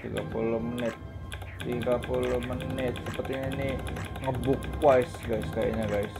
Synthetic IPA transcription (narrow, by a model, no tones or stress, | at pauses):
t̪ḭɡa̰pulʊhmənɪt̪̚ː | iɡapulʊhmənɪt̪̚səpərt̪iɲainiŋəbʊk̚ːwaɪsɡajska̰ja̰ɲaɡajs